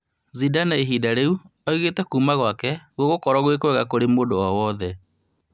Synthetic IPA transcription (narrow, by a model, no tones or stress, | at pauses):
zidanaeɦiːdaɾeu | ɔiɣeːtɛkuːmaɣwakɛɣoɣokɔɾɔɣwek̬wɛɣakoɾemoːdoɔwɔðɛ